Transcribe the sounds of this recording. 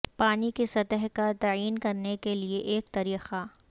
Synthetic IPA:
paːnikesɐt̪əɦkat̪aːiːnkɐɾnekelieʔeːk̚t̪ɐɾiːxa

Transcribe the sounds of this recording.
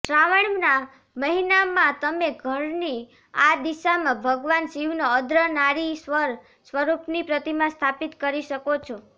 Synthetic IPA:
ʃɾaʋəɳna | məɦinamãt̪əmeɡʱəɾni | ad̪iʃamãbʱəɡʋansiʋnoəd̪ɾənaɾisəɾ | sʋəɾupnipɾət̪imãst̪ʰapit̪kəɾiʃəkot͡ʃʰo

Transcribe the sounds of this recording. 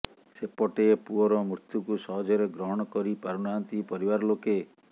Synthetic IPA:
sepɔʈepuɔɾɔmɾut̪jukusɔɦɔd͡ʒɔɾeɡɾɔɦɔɽ̃ɔkɔɾipaɾunant̪ipɔɾibaɾɔloke

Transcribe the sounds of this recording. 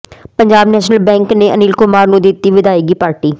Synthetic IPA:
pəɲd͡ʒaːbnɛːʃnəlbɛ̃ːŋkneːə̰niːlkʊmaːɾnũːd̪ɪt̪iːʋɪd̪aːeːɡiːpaːɾʈiː

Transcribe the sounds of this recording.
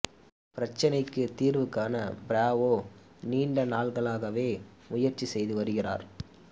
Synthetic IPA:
pɪɾɐt͡ʃːɐnɐɪkːɯt̪iːɾʋɯkːaːnɐbɪɾaːʋoː | niːɳɖɐnaːɭɣɐɭaːɣɐʋeː | ʊjɐɾt͡ʃːisɛjðɯʋɐɾɯɣɪra̰ːɾ

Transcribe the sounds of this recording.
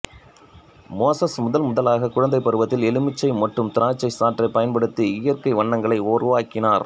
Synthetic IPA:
moːsɐsmʊðɐlmʊðɐlaːɣɐkʊɻɐnd̪ɐɪpːɐɾɯʋɐt̪ːɪlɛlɯmɪt͡ʃːɐɪmɐʈrɯmt̪ɪɾaːt͡ʃːɐɪsaːʈrɐɪpːɐjɐnpɐɽɯt̪ːɯɪjɐrkɐɪʋɐɳːɐŋɡɐɭɐɪoːrɯʋaːkɪnaːɾ

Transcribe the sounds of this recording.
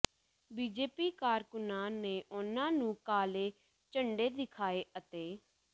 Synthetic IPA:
biːd͡ʒeːpiːkaːɾkʊnaːneːʔʊnãːnũːkaːleː | t͡ʃəɳɖeːd̪ɪkʰaːeːʔət̪eː

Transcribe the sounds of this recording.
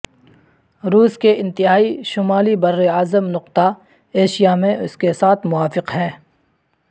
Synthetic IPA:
ɾuːskeʔɪ̃nt̪ɪɦaːiʃʊmaːlibɐɾːeaːzəmnʊqt̪a | eːʃijamẽʔʊskesaːt̪ʰmʊaːfɪqɦɛ̃ː

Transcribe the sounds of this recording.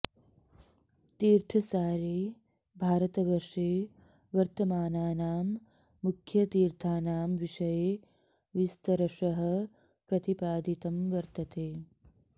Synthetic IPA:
t̪iːɾt̪ʰɐsaːɾeː | bʱaːɾɐt̪ɐʋɐɾʂeː | ʋɐɾt̪ɐmaːnaːnaːmː | ukʰjɐt̪iːɾt̪ʰaːnaːmʋiʂɐjeː | ʋist̪ɐɾɐʂɐɦɐ̆ | pɾɐt̪ipaːd̪it̪ɐmʋɐɾt̪ɐt̪eː

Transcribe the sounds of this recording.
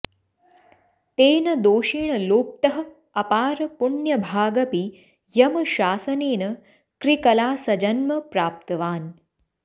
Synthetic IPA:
t̪eːnɐd̪oːʃiːɳɐloːp̚t̪ɐɦɐ̆ | ɐpaːɾɐpuɳjɐbʱaːɡɐpi | jɐmɐʃaːsɐneːnɐ | kɾikɐlaːsɐd͡ʒɐnmɐpɾaːp̚t̪ɐʋaːn

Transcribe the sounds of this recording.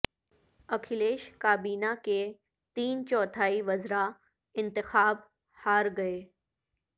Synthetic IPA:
ɐkʰɪleːʃkaːbiːnake | t̪iːnt͡ʃɔːt̪ʰaːiʋɐzɾa | ɪ̃nt̪ɪxaːb | haːɾɡɐeː

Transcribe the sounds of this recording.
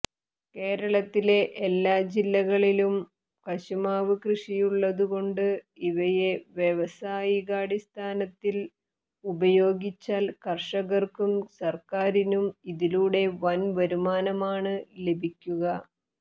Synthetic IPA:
ke̞ːɾɐɭɐt̪ːile̞ʔːlːaːd͡ʑilːɐɣɐɭilum | kɐɕumaːʋɨkrɨʂijuɭːɐðuɣo̞ɳɖɨiʋɐje̞ʋjeʋɐsaːjiɣaːɽist̪ʰaːnɐt̪ːil | ubɐjo̞ːɡit͡ɕːaːlkɐrʂɐɣɐrkumsɐrkaːɾinumiðiluːɽe̞ʋɐnʋɐɾumaːnɐmaːɳɨle̞bʱikʲːuɣɐ

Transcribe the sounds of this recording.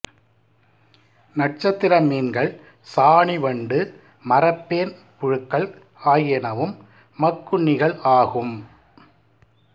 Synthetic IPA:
nɐʈ̚t͡ʃɐt̪ːɪɾɐmiːnɡɐɭ | saːɳiʋɐɳɖɯ | mɐɾɐpːeːn | pʊɻɯkːɐɭ | aːjɛnɐʋɯmː | ɐkːʊɳːɪɣɐɭʔaːɣɯm

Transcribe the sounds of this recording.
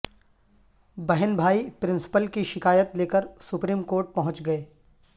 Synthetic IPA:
bɛɦənbʱaːipɾɪ̃nsɪ̥pəlkiʃɪkaːjət̪leːkəɾsʊpɾiːmkoːɾʈ̚pɐɦʊ̃t͡ʃɡɐeː

